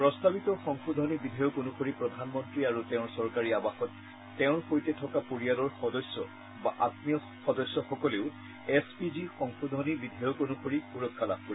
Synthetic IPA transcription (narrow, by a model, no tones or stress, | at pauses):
pɹɔst̪abitɔxɔŋxʰudʱɔnibidʱɔjɔkonukʰoɹipɹɔd̪ʱanmɔntɹiaɹutɛʊ̃ɹsɔɹkaɹiabaxɔtː | ɛʊ̃ɹkojtɛtʰɔkapuɹialɔɹxɔdɔsːɔ̰ | baʔatmijɔ | xɔdɔsːɔxɔkɔleʊ | ɛspizixɔŋxudʱɔnibidʱɔjɔkonuxʰoɹipuɹɔkʰːala̰b̚ʱkɔɹi